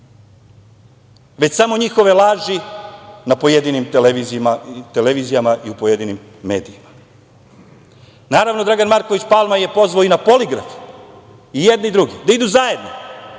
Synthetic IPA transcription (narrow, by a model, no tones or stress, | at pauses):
ʋe̞t͡ɕsamo̞ɲixo̞ʋe̞lˠaːʒinapo̞jed̪inimt̪eleʋizimat̪eleʋizijamaʔiupo̞je̞d̪inimːe̞̰ːd̪ijima | naːɾaʋnod̪ɾaɡanmaɾkoʋit͡ɕpalˠmaje̞po̞zʋaoinapo̞liɡɾa̰f | ijed̪niid̪ɾuɡid̪aid̪uzajed̪no